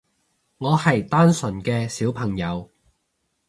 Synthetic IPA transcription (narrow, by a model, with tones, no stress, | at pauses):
ŋɔː˨˧hɐ˨˩jt̪aː˥nsɵ˨˩nkɛː˧siː˨˥wpʰɐ˨˩ŋjɐ˨˧w